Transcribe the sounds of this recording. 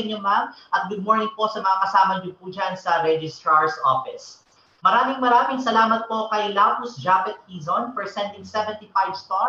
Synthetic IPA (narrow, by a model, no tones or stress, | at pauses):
ɐɲomamʔɐt̪̚ɡʊd̪̚moɹnɪŋpo̞sɐmɐŋakɐsaːmɐɲʊpuːd͡ʒansɐɾɛd͡ʒɪst̪ɹɐɹsʔo̰fɪs | mɐɾaːmɪŋmɐɾaːmɪŋsɐlaːmɐt̪̚po̞kɐjlaːpʊsd͡ʒapɛt̪̚hiːzonfɛɹsɛnt̪ɪnsɛvɛ̃nt̪ifajbst̪a